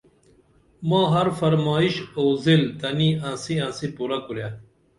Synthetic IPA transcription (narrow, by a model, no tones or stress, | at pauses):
mãːɦɐɾfɐɾmɑːiɕoːzilt̪ɐniãːsiãːsipuɾakuɾja